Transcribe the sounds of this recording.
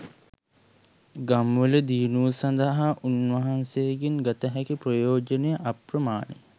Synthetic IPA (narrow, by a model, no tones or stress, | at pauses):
ɡamʋələd̪iːnusɐnd̪ɐɦaʔunʋɐɦansejːɡiŋɡat̪əɦækiprəjoːd͡ʒənejəʔaprəmaːnḛ